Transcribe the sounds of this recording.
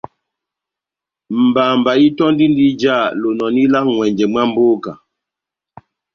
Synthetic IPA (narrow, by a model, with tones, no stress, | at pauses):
m̩˨ba˨mba˨ji˦tɔ˦ndi˦n˦di˦d͡ʒa˦˨lo˨nɔ˨ni˦la˦kŋwɛ˨ɲd͡ʒɛ˨m˦a˦m˦bo˦ka˨